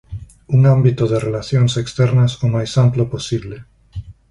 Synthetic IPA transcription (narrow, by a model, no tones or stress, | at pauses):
uŋambit̪oðerelaθjonsekst̪ɛɾnasomajsamploposiβle